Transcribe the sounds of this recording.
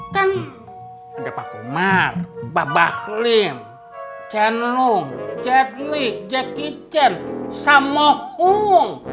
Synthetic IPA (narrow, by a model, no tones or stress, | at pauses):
kan | andapakṵmatbabaklim | t͡ʃɛnluŋd͡ʒɛt̪̚liʔd͡ʒɛkit͡ʃɛnsamɔhuŋ